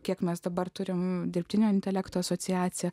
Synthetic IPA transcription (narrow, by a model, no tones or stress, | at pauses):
kʲiɛkmʲɛsd̪ɐbɐrt̪ʊɾʲɪmd̪ʲɪɾʲpʲt̪ʲɪnʲoːɪnʲt̪ʲɛlʲækt̪oːɐsoːsʲɪjæːt͡s̪ʲɪjɛ